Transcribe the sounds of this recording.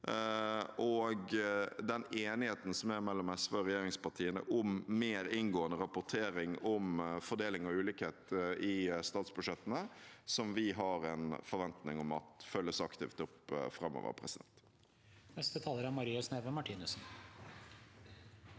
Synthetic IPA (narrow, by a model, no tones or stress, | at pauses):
ʔɔɡd̪ɛneːnɪheːt̪ən̩sɔmæɾmɛlːɔmɛsʋeɾɛjeːɾɪŋspɑt̪ʰiːənə̰ʔʊmːeːɾɪnɡoːənəɾɑpʊt̪ʰeːɾɪŋɔmfɔɖ̪eːlɪŋɔʉːlɪːkheːt̪ʔɪst̪ɑːt̪sbʉʂɛt̪ːənəsɔmʋɪɦɑɾɛnfɔɾʋɛnt̪nɪŋɔmɑ̰t̪fœlːəsɑkt̪ʰɪːft̪ʊpfɾɑmːo̰ːʋə̰ɾpʰɾɛsɪd̪ɛnt̪ | nɛst̪ət̪ʰɑːləɾæmɑɾiːɑsneːʋəmɑʈʰiːnʉsn